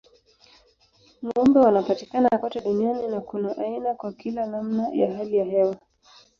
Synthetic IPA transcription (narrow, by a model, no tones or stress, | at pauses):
ŋɔmbɛwanapatikananakɔtɛɗunianinakunaʔainakwakilanamnaja̰ɦalijahɛwa